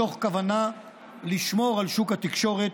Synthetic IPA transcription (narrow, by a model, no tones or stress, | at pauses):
o̞χkavana | liʃmo̞ʁalʃukhat̪ikʃo̞ʁet̪